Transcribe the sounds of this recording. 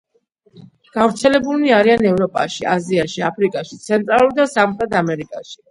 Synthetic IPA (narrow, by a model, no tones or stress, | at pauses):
ɡ̥avɾt̪sʰɛlɛbuniaɾianɛvɾɔpʼa̰ʃiaziaʃiapʰɾikʼaʃit̪sʰɛnt̪ʼɾalˠuɾd̪asamχɾɛt̪ʰamɛɾikʼaʃi̥